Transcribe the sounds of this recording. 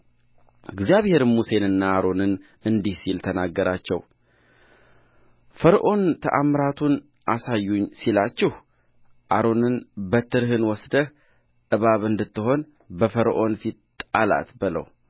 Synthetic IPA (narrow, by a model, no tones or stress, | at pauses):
ʔɨɡzijaβhe̞ɾɨmuse̞nɨnːaːɾo̞nɨn | ɨnd̪ihsilt̪ʰənaɡːəɾat͡ʃːɛ̰w | fəɾʔo̞nt̪ʰə̰ʔamɾat̪ʰun | ʔasajːuɲsilat͡ʃːɪh | ʔaɾo̞nɨnbət̪ʰɨɾɦɨnwɔsd̪əh | ʔɨβaβɨnd̪ɨt̪ːɨɦo̞n | bəfəɾʔo̞nfit̪t̪ʼala̰t̪bɨlə̰w